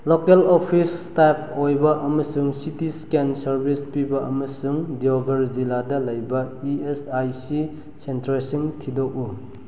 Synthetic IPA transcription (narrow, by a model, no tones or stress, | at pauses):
lokelopʰistapʰojbɐʔɐmɐsuŋsitiskensɐɾbʱispibɐɐmɐsuŋdjoɡɐɾd͡ʒiladɐlɐjbɐiesajsi | sentɾesiŋtʰidok̚u